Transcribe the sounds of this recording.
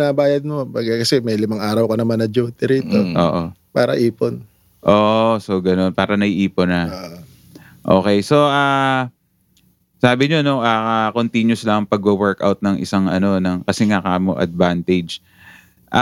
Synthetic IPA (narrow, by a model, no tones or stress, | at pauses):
nɐbaːjɐd̪̚mobɐɡɐkɐsɛmɐjlɪmaŋaːɾɐwkonɐmɐnɐd͡ʒuːt̪ɪɾiːt̪oʔoːʔopaːɾɐ̰ʔiːpon | ʔoːʔso̞ɡɐno̞npaːɾɐnɐʔiːponɐ | ʔo̞ːkɛjso̞ʔaː | saːbɪɲono̞ʔɐːakont̪iɲjʊslaɐŋpɐɡ̚owɛɹka̰wt̪̚nɐŋʔɪ̰saŋʔɐno̞nɐŋkɐsɛŋakaːmo̰ʔɐ̰d̪̚vant̪ɛd͡ʒ | ʔa